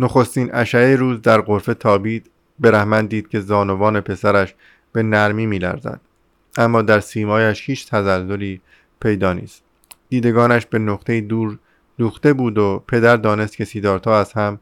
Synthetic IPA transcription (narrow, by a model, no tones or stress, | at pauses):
noχo̞st̪iːnæʃæeɾuːzd̪æɾɢo̞ɾfe̞t̪ʰɒːbiːd̪̥ | be̞ɾæhmænd̪d̪iːd̪̥̚kcʰe̞zɒːno̞vɒːne̞pʰe̞sæɾæʃ | b̥e̞næɾmiːmiːlæ̰ɾzæ̰d̪̥ | ʔæmːɒːd̪æɾsiːmɒːjæʃhiːt͡ʃʰt̪ʰæzælːoɾiː | pʰe̞jd̪ɒːnḭːst̪̚ | d̪̥iːd̪e̞ɡɒːnæʃbe̞noqt̪ʰe̞jiːd̪uːɾ | luːxt̪e̞buːd̪opʰe̞d̪æɾd̪ɒːne̞st̪kʰʲe̞siːd̪ɒːɾt̪ʰɒːæshæm